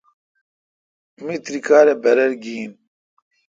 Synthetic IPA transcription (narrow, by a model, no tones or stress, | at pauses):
mit̪ɾikʰaːɾebɛɾɛɾɡin